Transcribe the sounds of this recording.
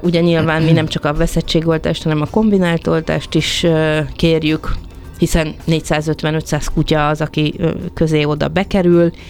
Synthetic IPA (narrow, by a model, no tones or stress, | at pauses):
uɟɛɲilvaːnminɛmt͡ʃɒkɒvɛsɛt͡ʃːeːɡo̞lt̪a̰ːʃt̪hɒnɛmɒko̞mbinaːlt̪o̞lt̪a̰ːʃt̪iʃkeːrjyk | hisɛnːeːcsaːzø̞t̪ʋɛnøt̪saːskucɒːzɒkikø̞zeːo̞d̪ɒ̰bɛkɛɾyl